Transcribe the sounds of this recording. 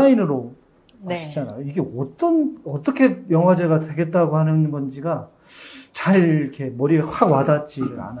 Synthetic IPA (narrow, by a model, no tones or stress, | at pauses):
ainɯɾo | ɕit͡ɕana̰joiɡe̞ʌt͈ʌnʌt͈ʌkʰe̞jʌŋɦwad͡ʑe̞ɡadwe̞ɡe̞t̚t͈aɡohanɯnɡʌnd͡ʑiɡa | t͡ɕaɭiikʰe̞mʌɾieɸawadat̚t͡ɕ͈iɾa̰na